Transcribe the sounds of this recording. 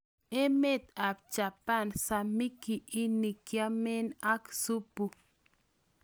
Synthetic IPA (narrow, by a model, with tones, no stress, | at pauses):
e˦me˦t̪a˨p̚t͡ʃa˨pa˦˨nsa˨mi˦ki˨ʔi˦ni˨kja˦me˦na˦ksu˦pu˨